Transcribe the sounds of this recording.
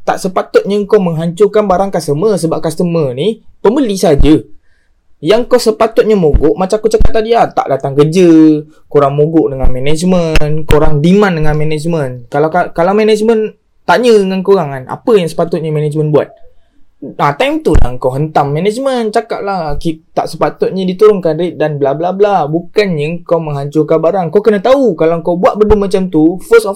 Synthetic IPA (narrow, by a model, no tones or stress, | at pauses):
t̪a̰ʔsəpat̪ʊt̪̚ɲəŋkowməŋɦaɲt͡ʃʊkanbaɾaŋkast̪əməsəbap̚kast̪əmənipəmbəlisad͡ʒə | jaŋkosəpat̪ʊt̪̚ɲəmoɡʊʔmat͡ʃamkot͡ʃakat̪̚ːadiat̪a̰ʔdat̪aŋkərd͡ʒə | koɾaŋmoɡʊʔdəŋanmenɛd͡ʒmə̃nkoɾaŋdimãndəŋanmɛnɛd͡ʒmənkalakakalawmɛnɛd͡ʒmən | t̪aɲəŋankoɾaŋana̰pəjaŋsə̥pat̪ʊt̪̚ɲamɛnɛd͡ʒmə̃nbua̰t̪̚ | at̪ajmt̪ula̰ŋkawɦənt̪amːɛnɛd͡ʒmə̃nt͡ʃaka̰t̪̚lakit̪a̰ʔsəpat̪ʊt̪̚ɲadit̪uɾʊŋkanɾedanbəlablablabukanɲəŋkawməŋɦaɲt͡ʃʊrkabaɾaŋkawkənãt̪aukalakawbuat̪̚bədumat͡ʃamt̪ufəsɔf